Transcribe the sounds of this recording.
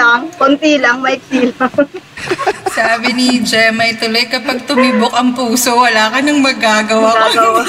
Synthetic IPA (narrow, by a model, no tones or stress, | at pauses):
aŋkont̪ilɐŋmɐɪk̚siːlɐ | saːbɪnɪd͡ʒɛmɐjt̪ʊlojkɐpɐɡ̚t̪ʊmibok̚ɐŋpuːsowɐlaːkɐnɐŋmɐɡaːɡɐwa